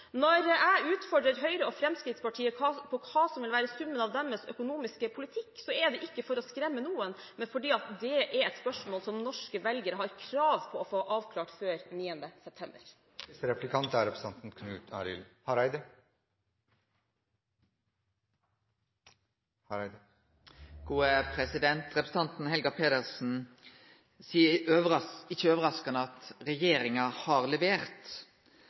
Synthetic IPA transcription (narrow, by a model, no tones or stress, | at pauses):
nɔɾæɪʉːt̪fɔɖɾəɾɦœʏɾəofɾɛmskɾɪt̪spɑʈʰiːəpʰɔkʰɑːsɔmʋɪlʋæːɾəsʉmːənɑːʋd̪ɛməsœ̰kʊnuːmɪskəpʰʊlɪt̪ʰɪkːsɔɛd̪ɛʔɪkːəfɔɾɔskɾɛmːənuːən | mɛnfɔɖiːɑt̪d̪ɛʔɛɾɛɪt̪spœʂmoːlsɔmnɔʂkəʋɛlɡəɾəɦɑɾkʰɾɑːʋpʰɔːfoːʔɑːʋkʰlɑːʈføːɾniːənd̪əsɛp̚t̪ʰɛmbə̰ɾ | ɾɛplɪkʰɑnt̪æɾɛpɾsɛnt̪n̩kʰnʉ̰ːt̪ʰɑ̰ːɾɪ̰lhɑɾæɪd̪ə | hɑɾd̪ | ɡ̥uːəpʰɾɛsɪd̪ɛnt̪ʁɛpɾs̩ɑnt̪n̩hɛlɡɑpʰeːd̪əʁsn̩ | siːəøːʋəɪçəøːʋəʁɑskɑnəɑt̪ʁɛjeːɾɪŋɑhɑʁlɛʋeːʁt̪